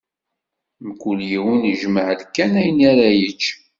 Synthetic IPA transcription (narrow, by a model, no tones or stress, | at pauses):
məkːuljiwənʒməʕəlkːænæjənaɾæjət͡ʃː